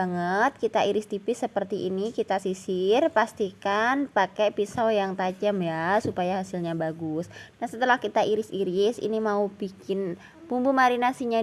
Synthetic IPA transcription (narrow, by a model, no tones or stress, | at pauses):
aŋət̪̚kit̪aʔiɾɪst̪ipɪsəpərt̪iʔinikit̪asisɪrpast̪ikanpakɛpisawjaŋt̪ad͡ʒəmjasupajaɦasɪlɲabaɡʊsnahsət̪əlahkit̪aʔiɾɪsiɾɪsḭnimaubikɪn | pumbumaɾinasiɲa